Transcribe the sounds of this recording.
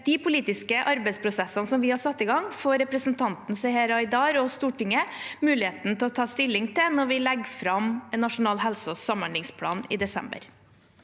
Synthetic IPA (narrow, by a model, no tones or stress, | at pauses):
d̪̥ɪpʰʊliːt̪ɪskəʔɑɾbɛɪspʰɾʊsɛsːɑnəsɔmʋɪhɑɾsɑt̪ːɪɡɑŋfoːɾɛpɾəsnt̪ʰɑnt̪n̩sɛheːɾɑɪd̪ɑːɾɔst̪uːʈɪŋːəmʉːlɪeːt̪nət̪ʰɛlɔt̪ʰɑːst̪ɪlːɪŋt̪ʰɪnɔɾʋɪlɛɡfɾɑmɛnːɑʂʊnɑːlɦɛlsɔsɑməɳlɪŋspʰlɑ̰ːnɪ̰d̪ɛsɛ̰mbə̰ɾ